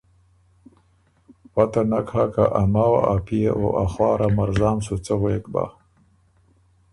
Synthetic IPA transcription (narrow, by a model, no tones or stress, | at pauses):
wat̪anakhakaʔamawaapijeʔo̰ʔaxwɑːɾamaɾzɑːmsut͡səɣeek̪ba̰